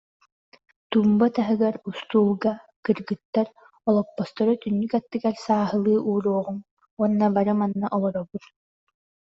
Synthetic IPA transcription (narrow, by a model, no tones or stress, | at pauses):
t̪uːmbat̪aɦɯɡaɾust̪uːlˠɡa | kɯɾɡɯt̪ːaɾ | ɔlˠɔpːɔst̪ɔɾɯt̪ynːykat̪ːɯɡaɾsaːɦɯlˠɯːʔuːɾuɔʁum | uɔnːabaɾɯmanːaʔɔlˠɔɾɔbut̪